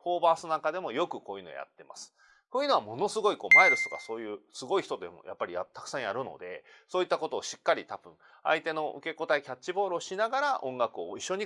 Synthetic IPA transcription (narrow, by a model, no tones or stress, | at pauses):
ɸo̞ːbaːsɨnaŋkad̪e̞mo̞jo̞kɯ̟ko̞ːjɯ̟ːno̞̰ja̰t̪ːe̞ma̰sɨ̥ | koːjiɯ̟no̞βamo̞no̞sɨɡo̞iko̞ːmaiɾɯsɨ̥t̪o̞kaso̞ːjɯ̟ːsɨɡo̞içi̥t̪o̞d̪e̞mo̰jʔa̰pːaɾʲijat̪ːḁkɯ̥sãɰ̃jaɾɯ̟no̞̰d̪e̞̰ | so̞ːit̪ːako̞t̪o̞ːɕi̥kːaɾʲit̪ab̥ɯ̟̃ɴ | a̰it̪e̞no̞ʔɯ̟ke̞ko̞t̪aikʲat͡ɕːibo̞ːɾɯoɕinaɡaɾaʔõ̞ŋɡakɯ̟o̞iɕːo̞ɲ̟i